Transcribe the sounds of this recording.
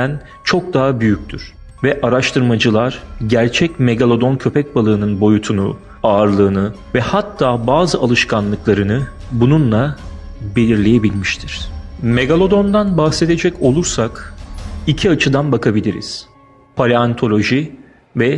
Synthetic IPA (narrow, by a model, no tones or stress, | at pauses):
æn | t͡ʃʰo̞k̚d̪aɦabyjyc̚ʲt̪ʰyɾ̥ | vɛʔaɾaʃt̪ʰɯɾmad͡ʒɯlˠaɾ̥ɟæɾt͡ʃʰɛcme̞ɡalʲˠo̞d̪o̞ncʰø̞pʰɛc̚balˠɯːnɯnbo̞jut̪ʰunu | aːɾlˠɯːnɯ | vɛhat̪ʰːaːbaːzɯʔalˠɯʃkʰanlˠɯklˠaɾɯnɯbununlˠabe̞lʲiɾlʲe̞je̞bilʲmiʃt̪ʰiɾ̥me̞ɡalʲˠo̞d̪o̞nd̪anbaxse̞d̪e̞d͡ʒɛco̞lˠuɾsak | icʰiat͡ʃʰɯd̪anbakʰabilʲiɾḭz̥ | pʰalʲeant̪ʰo̞lʲo̞ʒi | vɛ